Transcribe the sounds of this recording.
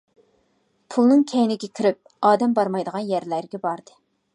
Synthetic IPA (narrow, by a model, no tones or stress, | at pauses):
pʰulˠnɨŋkʲʰɛjnɪɡʲɛkʲʰyɾyp̚ | ɑːd̪ɛmbɑɾmɑjd̪əʁɑnjɛɾlæɾɡʲɛbɑɾd̪ɨ